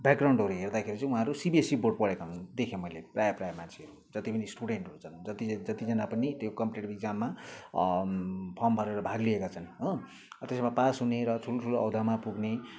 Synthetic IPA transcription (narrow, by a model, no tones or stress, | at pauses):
bakrawɳɖɦʌɾuɦerd̪akʰeɾit͡sʌ̃ĩũɦãɾusibiesiborɖpʌɽekat͡sʰʌnd̪ekʰemʌjleprajaprajamant͡sʰeɦʌɾu | d͡zʌt̪ipʌnisʈuɽeɳʈɦout͡sʰʌnd͡zʌt̪id͡zʌt̪id͡zʌnapʌnit̪jokʌmpleʈbiɡ̚d͡zamːa | pʰʌmbʱʌɾeɾʌbʱaɡliekat͡sʰʌnɦo | t̪esmapasuneɾʌtʰuloʈʰuloʌwd̪ʱamapuɡne